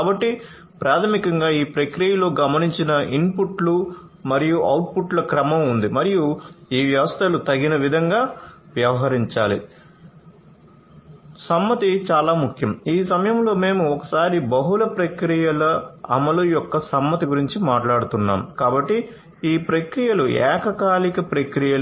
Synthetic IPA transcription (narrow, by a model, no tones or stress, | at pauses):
kaːbɐʈːi | pɾʔaːt̪ʰɐmikɐŋɡaːiːpɾɐkɾijɐlo̞ːɡɐmɐniɲt͡ʃinɐʔinpuʈlu | mɐɾijuʔɐwʈ̚puʈlɐkɾɐmɐmund̪imɐɾijuiːʋjɐʋɐst̪ʰɐlut̪ɐɡinɐʋid̪ʱɐŋɡaːʋjɐʋɐɦɐɾiɲt͡ʃaːlḭ | sɐmːɐt̪it͡ʃaːlaːmukʰjɐmiːsɐmɐjɐmlo̞ːme̞ːmuɔkɐ̥saːɾibɐɦulɐpɾɐkɾijɐlɐɐ̰mɐlujɔkːɐsɐmːɐt̪iɡuɾiɲt͡ʃimaːʈlaːɽut̪unːa̰ːmkaːbɐʈːi | iːpɾɐkɾijɐluɛ̰ːkɐkaːlikɐpɾɐkɾijɐl